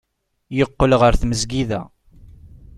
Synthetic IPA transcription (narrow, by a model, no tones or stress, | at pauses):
jəqːəlʁəɾθməzɡiðæ̰